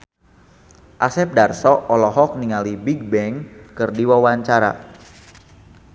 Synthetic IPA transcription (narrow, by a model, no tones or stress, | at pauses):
ʔasɛp̚darsɔʔɔlɔɦɔk̚niŋalibiɡ̚bɛŋkɨrdiwawaɲt͡ʃaɾa̰